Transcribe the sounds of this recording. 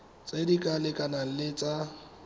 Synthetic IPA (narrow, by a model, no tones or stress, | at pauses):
t͡sʼedikʼalɪkʼanalɪt͡sʼa